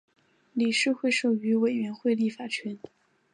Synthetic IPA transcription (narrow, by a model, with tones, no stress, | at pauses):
li˨˩ʂɻ̩˥˧xwe˥˧ɪʂo˨˩y˧˥we˨˩ɪɥɛ˧˥nxwe˥˧ɪli˥˩fa˨˩t͡ɕʰɥɛ˧˥n